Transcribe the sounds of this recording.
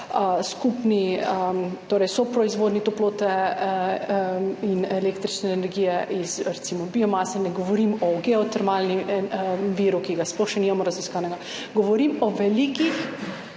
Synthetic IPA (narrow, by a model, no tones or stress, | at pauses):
skupni | t̪oːɾɛjsɔpɾɔizʋoːd̪nit̪oploːt̪ɛ | ineleːkt̪ɾit͡ʃnɛːnɛɾɡijɛʔizɾɛt̪simɔbiomaːsɛnɛɡoʋoɾimɔɡɛot̪ɛɾmaːlni | ʋiːɾukiɡaspɔɾʃɛnimamɔɾaziskanɛɡa | ɡoʋoɾimɔʋɛlikix